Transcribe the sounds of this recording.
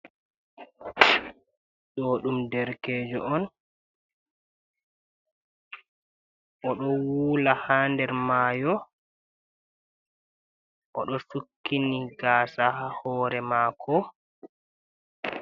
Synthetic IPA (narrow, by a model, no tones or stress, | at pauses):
ɗoːɗumdɛɾkɛːd͡ʒɔʔɔn | ʔɔɗɔwuːlahaːndɛɾmaːjɔ | ʔɔ̰ɗɔsukːiniɡaːsahahɔːɾɛmaːkʰɔ